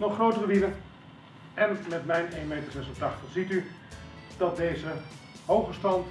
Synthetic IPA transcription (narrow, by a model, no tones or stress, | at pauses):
nɔχrowtərəʋidən | ɛnmɛtmɛjnejnmejtərrezəlˠtaːtəz̥ity | d̥ɑt̚dejzə | ɦowχəstɑnt